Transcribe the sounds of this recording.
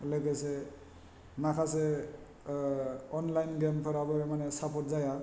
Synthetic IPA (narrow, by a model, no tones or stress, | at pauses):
leɡese | makʰase | ɔnlajnɡempʰʌɾabɔmanesapʰɔt̚zaja